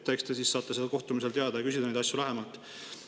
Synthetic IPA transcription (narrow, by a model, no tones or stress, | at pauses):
t̪ːˑekst̪esiːsːɑːt̪ːˑɑselko̞ht̪umise̞lt̪e̞ɑd̪̥ɑjɑkysʲid̪ɑnejd̪̥ɑsjulæɦemɑlt̪ˑ